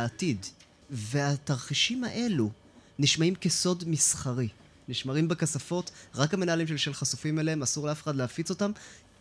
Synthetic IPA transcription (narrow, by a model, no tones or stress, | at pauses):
atid | ve̞ataʁχiʃimaʔe̞lu | niʃmaimkeso̞dmisχaʁi | niʃmaʁimbekasafo̞tʁakamenaalimʃ̬e̞lʃe̞lχasufimeleemasuʁleafe̞χadleafit͡so̞tam